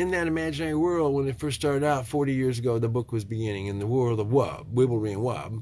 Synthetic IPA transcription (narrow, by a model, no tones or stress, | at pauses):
ɨ̃nðɨɾɨmæd͡ʒɨnɛɹiwɜ˞lˠd̚wə̃nɨtfɜ˞ststɑɹɾɨɾaʊtfɔɹɾijɪɹzɨɡoʊðəbʊkwʌzbɨɡɪ̃nɪ̃ŋɨ̃nðəwɜ˞lˠdʌwʌ̰b̥̚wɪbl̩ˠɹiɨ̃nwʌ̰b̥̚